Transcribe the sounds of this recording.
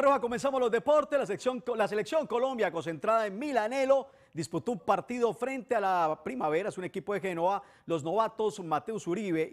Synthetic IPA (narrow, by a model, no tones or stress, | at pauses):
rohako̞me̞ns̬amozlo̞zd̪e̞po̞ɾt̪eslassoŋlas̬e̞leksjo̞ŋko̞lo̞mbjako̞ns̬ẽ̞nt̪ɾaðaenmilane̞lo̞ | d̪isput̪o̞umpaɾt̪iðo̞fɾe̞nt̪ealapɾimaβe̞ɾasunekipoðe̞xenoβa | lo̞zno̞βat̪o̞smat̪eusuɾiβe